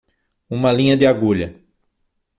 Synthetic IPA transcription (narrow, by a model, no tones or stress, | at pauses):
ũmɐlĩɲɐd̪ɪaɡuʎɐ